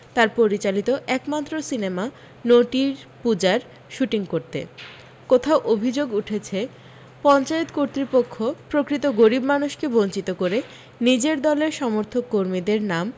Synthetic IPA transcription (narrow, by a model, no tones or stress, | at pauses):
t̪aɾpoɾit͡ɕalit̪oʔɛkmat̪ːɾosinema | noʈiɾpud͡ʑaɾ | ʃuʈiŋkoɾt̪ḛ | kot̪ʰaoʔobʱid͡ʑoɡuʈʰet͡ɕʰe | pɔnt͡ɕaet̪koɾt̪ɾipokʰːopɾokɾit̪oɡoɾibmanuʃkebont͡ɕit̪okoɾe | nid͡ʑeɾd̪ɔleɾʃɔmoɾt̪ʰokːoɾmid̪eɾnam